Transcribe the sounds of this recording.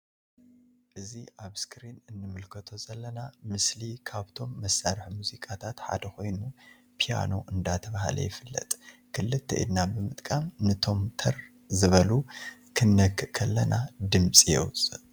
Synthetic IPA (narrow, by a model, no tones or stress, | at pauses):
ʔɨziʔaβskʰɾinɨnːɨmɨlkʰɐt̪ʰo̞zɐlːɐnamɨslikʰaβt̪ʰo̞mːɐsːaɾħmuzikʼat̪ʰat̪ħa̰d̪ɐko̞jnu | pʰija̰no̞ʔɨnd̪at̪ʰɐβahlɐ̰jɪfɨlːɐ̰t̪ʼkʰɨlːɨt̪ʰːɐ̰ʔḭd̪nabɨmɨt̪ʼkʼamnɨt̪ʰo̞mt̪ʰɐɾ | zɨβɐlukʰɨnːɐkːɨʔkʰɐlːɐnad̪ɨmsʼijɛ̰wusʼɨʔ